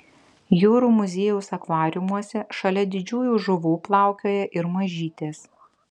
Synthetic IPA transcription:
juːɾuːmʊzʲeːjɛʊsɐkʋɑːɾʲʊmuɔsʲɛʃɐlʲɛd̪ʲɪd͡ʒʲuːjuːʒʊʋuːplˠɑˑʊkʲoːjɛʔɪɾmɐʒʲiːt̪ʲeːs

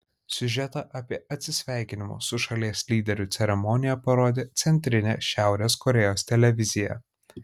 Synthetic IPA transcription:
sʲʊʒʲɛt̪ɑʔɐpʲiɛʔɐt̪ʲsʲɪsʲʋʲæˑɪkʲɪnʲɪmʊ̰sʊʃɐlʲiɛsʲlʲiːd̪ʲɛɾʲʊt̪ʲɛɾʲɛmɔnʲɪjɛpɐɾoːd̪ʲeːt̪sʲɛnʲt̪ʲɾʲɪnʲḛːʃʲæˑʊɾʲeːskɔɾʲɛjoːst̪ʲɛlʲɛʋʲɪzʲɪjɛ̰

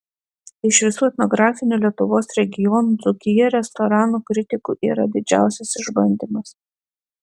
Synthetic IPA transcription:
ɪʃʋʲɪsuːɛt̪nɔɡɾɑːfʲɪnʲuːlʲiɛt̪ʊʋoːsɾʲɛɡʲɪjɔnuːzʊkʲɪjɛɾʲɛst̪ɔɾɑːnuːkɾʲɪt̪ʲɪkuːʔiːɾɐd̪ʲɪd͡ʒʲæ̰ˑʊsʲɛsɪʒbɐnʲd̪ʲɪmɐs

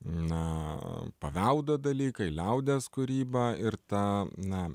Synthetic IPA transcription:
nɐ | pɐʋʲɛʊd̪oːd̪ɐlʲiːkɐɪlʲɛʊd̪ʲeːskʊɾʲiːbɐːɪɾt̪ɐnɐ

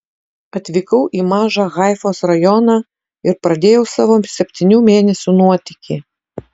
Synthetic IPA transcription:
ɐt̪ʲʋʲɪkɐʊʔimɑːʒɑɣɑjfoːsɾɐjɔnɑ | ɪɾpɾɐd̪ʲeːjɛʊsɐʋoːsʲɛpʲt̪ʲɪnʲuːmʲeːnʲɛsʲunuɔt̪ʲɪkʲi

